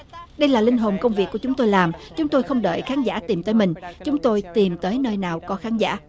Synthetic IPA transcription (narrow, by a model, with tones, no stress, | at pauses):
ɗə˧jlaː˨˩lï˧ŋ̟ɦo˨˩nkə˧wŋ͡mvi˨˩kːu˧˩t͡ɕʊ˨˦ŋ͡mt̪o˧jlaː˨˩mt͡ɕʊ˨˦ŋ͡mt̪o˧jxə˧wŋ͡mɗə̰ː˧˨jxaː˨˦nza̰ː˧˥˩t̪i˨˩mt̪əː˨˦jmï˨˩ŋ̟t͡ɕʊ˨˦ŋ͡mt̪o˧jt̪i˨˩mt̪əː˨˦jnəː˧jnaː˨˩wkɔ˨˦xaː˨˦nza̰ː˧˥